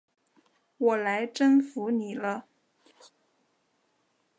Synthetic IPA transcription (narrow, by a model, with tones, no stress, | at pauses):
wɔ˨˩la˧˥ɪʈ͡ʂə˥nfu˧˥ni˨˩lə˦